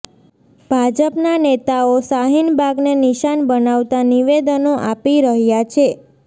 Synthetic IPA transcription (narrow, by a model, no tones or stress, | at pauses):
b̥ʱad͡ʒəpnanet̪aosaɦinbʱaɡneniʃanbənaʋt̪aniʋed̪ənoʔapiɾəɦjat͡ʃʰe